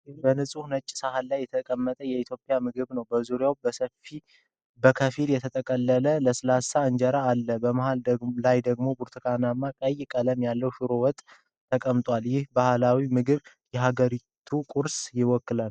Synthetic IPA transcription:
bənɨsʼunət͡ʃʼːɪ̥sahalːajːɛt̪ʰəkʼəmːət̪ʼəjɛit̪ʰjopʼjamɨɡɨβnəwbəzuɾjawbəsəfi | bəkʰəfiljɛt̪ʰət̪ʰʼəkʼəlːələləsɨlasaɨɲd͡ʒəɾaːlːəbəmahald̪əlajd̪əɡmo̞buɾt̪ʰɨkʰanamːakʼəjɪkʼələmjalːəwʃɨɾowɔt̪ʼʰː | əkʼəmt̪ʼwaljɪhbahalawimɨɡɨβ | jɛɦaɡəɾit̪ʰukʼuɾsjɪwɔkːɨlan

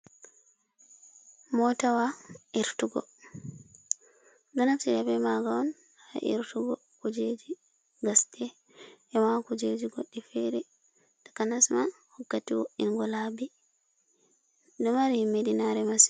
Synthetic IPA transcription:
mɔtawaʔiɾtuɡɔ̰ | dɔnafsijabɛmaɡawɔn | haʔḭɾtuɡɔ | kud͡ʒed͡ʒi | ɡastɛ | ʔɛmakud͡ʒed͡ʒiɡoɗːifɛɾɛ | dḁkanasmanhɔkːatiwoʔinɡɔlabi | dɔmaɾhimːedinaɾɛmasi̥

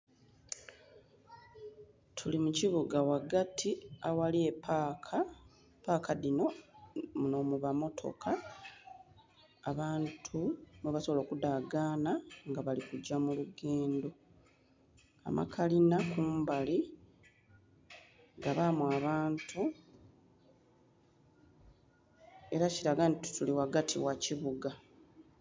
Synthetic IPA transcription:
tʰulimuciβuɡawaɡatʰiawaliepʰakʰa | paːkʰadino̞muno̞muβamo̞tʰo̞̰kʰa | βaːntʰumweβasoβolo̞ːkudaɡaːnaŋɡaβalikuɟːamuluɡe̞ːndo̞ | a̰mʔa̰kʰalinakumbali | ɡaβamuaβaːntʰu | e̞ɾaciɾaɡantitu̥tuliwaɡatʰḭwaciβuɡa

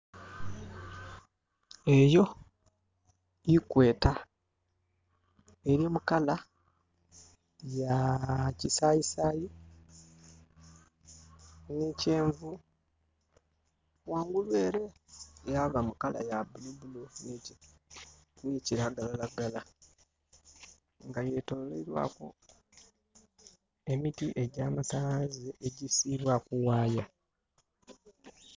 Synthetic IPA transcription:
e̞jo̞ | ikwe̞ːta | eɾjemukala | jacisajisaːji | nece̞ːɱvu | waːŋɡulwe̞ːɾe̞jaβamukala̰jabulubulonici | niciɾaɡalalaɡala | ŋɡaje̞tolḛiɾwa̰ːko̞̰ | e̞mitiʔe̞ɟaːmatazeʔeɟisiːβwakuwaːja

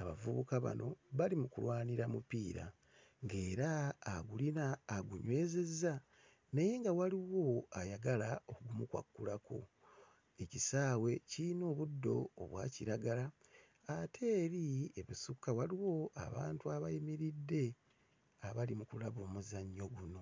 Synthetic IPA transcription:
aβavuβukaβa̰no̞βalimukulwaːniɾamupiːɾa̰ | ŋɡe̞ːɾaːɡulinaːɡuɲwe̞ːze̞zːa | naje̞ŋɡawaliwo̞ajaɡalao̞kuɡumukwa̰kːulakʰo̞̰ | e̞cisaːwe̞cino̞ːβudːo̞̰ːβwa̰ːciɾaɡala | atʰe̞ːɾie̞βusukːawaliwo̞ʔa̰βa̰ːntuaβajimiɾidːe̞ | aβalimukulaβo̞ːmuzaɲːo̞ɡuno̞

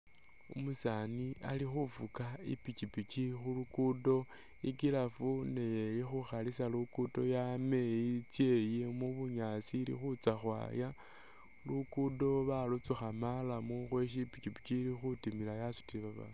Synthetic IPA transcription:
umusanialixufukaḭpit͡ʃipit͡ʃixulukudo̞ | ikilafune̞jelixuxalisalukudo̞jame̞jit͡sje̞jemuβuɲasiːlḭxut͡saxwa̰ːja | lukudo̞βalut͡suxamalamuxwe̞ʃ̬ipicipi̥t͡ʃilixutimilajasu̥tiβaβa̰

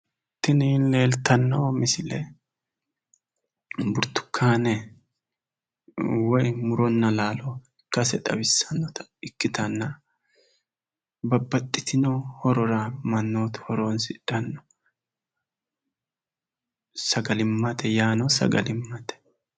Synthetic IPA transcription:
t̪ːɪninle̞ːlt̪ʰɐnːɐwɔmɪsɪlɛ | bʊɾt̪ːʊ̥kʰːaːnɛ | wɔjmʊɾɔnːɐlaːlɔɪkːɐsɛt̪ʼɐ̰bɪsːɐnːɔt̪ɐ̥ɪkːɪt̪ɐnːɐ | bɐbːɐt̪ʼːɪt̪ɪnɔhɔɾɔɾɐmɐnːoːt̪hɔɾonsɪᶑɐnːɔ | sɐɡɐlɪmːɐt̪ʰɛjaːnɔsɐ̰ɡɐlɪmːɐt̪ɛ̥

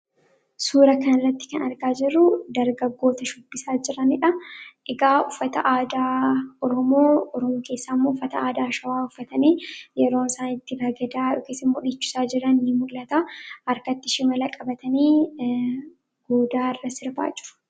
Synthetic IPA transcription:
suːɾɐkɐnɪrːɐt̪ːɪ̥kɐnɐɾɡaːd͡ʒɪrːʊd̪ɐɾɡɐɡːo̞ːt̪ɐʃʊbːɪsaːd͡ʒɪɾɐnɪᶑɐʔɪɡaːʊfːɐt̪ɐ̰ʔaːd̪aːɔɾɔmoːɔɾɔmoːke̞ːsːaːɪmːoːʊfːɐt̪ɐaːd̪aːʃɐwaːʊfːɐt̪ɐneːjɛɾo̞ːnsaːnɪt̪ːɪbɐɡɐd̪aːʊkeːsːɐɪmːoːᶑiːt͡ʃːʊ̥saːd͡ʒɪɾːɐnːɪmʊlːɐt̪aːɐɾkɐt̪ːɪʃɪmɐlɐkʼɐbɐt̪ɐniː | ɡ̥oːd̪aːɪrːɐsɪɾba̰ːd͡ʒɪ̥ɾ̥

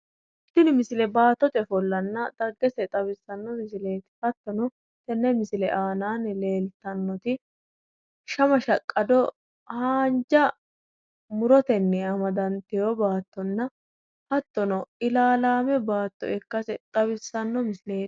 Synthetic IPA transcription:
ɪt̪ːɪnɪmɪsɪlɛbaːt̪ːɔt̪ɛfɔlːɐnːɐd̪̥ɐɡːɛsɛt̪ʼɐβɪsːɐnːɔmɪsɪle̞ːt̪ɪ̥hɐt̪ːɔnɔ | t̪ɛnːɛmɪsɪlɛʔaːnaːnle̞ːlt̪ːɐnːɔt̪ɪ | ʃɐmɐʃɐkʼːɐd̪ɔ | haːnd͡ʒɐ | mʊɾɔt̪ɛnːɛɐmɐd̪ɐnt̪ɪjɔbaːt̪ːɔnːɐ | hɐt̪ːɔnɔɪlaːlaːmɛbaːt̪ːɔ̰ɛkːɐsɛt̪ʼɐβɪsːɐnːɔmɪsɪleː

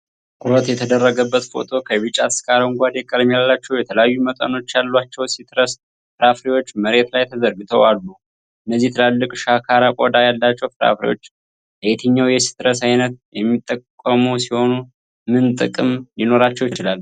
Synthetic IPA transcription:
kʼʊɾət̪jɛt̪ʰəd̪ərːəɡəbːət̪fo̰t̪ʰo̞kʰəβɨt͡ʃʼaskʼaɾaŋɡʷad̪ɛkʼəlmijalːat͡ʃːɛwjɛt̪ʰələjajːumət̪ʼə̰no̞t͡ʃːjalːat͡ʃːɛwsit̪ɾəs | fɨɾafɾiwo̞t͡ʃːməɾe̞t̪lajt̪ʰəzəɾɡɨt̪ʰə̰walːu | ʔɨnːəzːiht̪ʰɨlalːɨkʼʃakʰaɾakʼod̪ajalːat͡ʃːɛwfɾa̰fɾḭwot͡ʃː | bəet̪ʰəɲːawjɛsi̥t̪ɾəsajnət̪̚jɛmːit̪ʼːəkʼːəmuwsiho̞nu | mɨnt̪ʼɨ̰kʼɨmjɪno̞ɾat͡ʃːɛwjɪt͡ʃɪlalː

